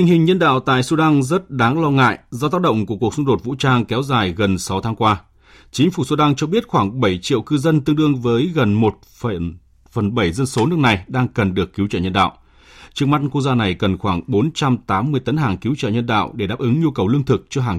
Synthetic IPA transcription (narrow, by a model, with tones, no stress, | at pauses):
t̪ï˧˩ŋ̟hï˨˩ŋ̟ɲə˧nɗa̰ː˧˨wt̪a̰ː˧˨jsu˧ɗa˧ŋzə˦˥t̚ɗaː˨˦ŋlɔ˧ŋa̰ː˧˨jzɔ˧t̪aː˦˥k̚ɗə̰˧˨wŋ͡mku˧˩əku˨˩ək̚su˧ŋ͡mɗo˨˩t̚vṵ˧˥t͡ɕaː˧ŋkɛ˨˦wzaː˨˩jɣə˨˩nsa˨˦wt̪ʰaː˨˦ŋkwaː˧ | t͡ɕï˨˦ŋ̟fu˧˩su˧ɗa˧ŋt͡ɕɔ˧ɓi˦˥ət̚xwaː˧˩ŋɓə˧˩jt͡ɕḭ˧˨əwkɨ˧zə˧nt̪ɨ˧əŋɗɨ˧əŋvəː˨˦jɣə˨˩nmo˨˩t̚fə˧˩ | fə˨˩nɓə˧˩jzə˧nso˨˦nɨ˦˥ək̚na˨˩jɗaː˧ŋkə˨˩nɗɨ˨˩əkːi˨˦wt͡ɕəː˧˩ɲə˧nɗa̰ː˧˨w | t͡ɕɨ˧əŋma˦˥t̚nku˧k̚zaː˧na˨˩jkə˨˩nxwaː˧˩ŋɓo˨˦nt͡ɕa˧mt̪aː˨˦mːɨ˧əjt̪ə˨˦nɦaː˨˩ŋki˨˦wt͡ɕə̰ː˧˩ɲə˧nɗa̰ː˧˨wɗe˧˩ɗaː˦˥p̚ʔɨ˨˦ŋɲu˧kə˨˩wlɨ˧əŋt̪ʰɨ˨˩k̚t͡ɕɔ˧ɦaː˨˩ŋ